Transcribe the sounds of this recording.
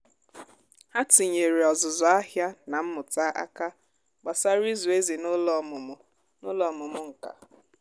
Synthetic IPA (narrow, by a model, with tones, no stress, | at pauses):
a˦ti˨ɲe˨ɾi˨ɔ˨zʊ˨zɔ˨a˦ɦja˦na˨m̩˦mʊ˨ta˦ʔa̰˦ka˦ | ɡ͡ba˨sa˦ɾi˦zu˨e˦zi˨nʊ˦lɔ˨mʊ˨mʊ˨ | nʊ˦lɔ˦˨mʊ˨mʊ˦ŋ̩˨ka̰˨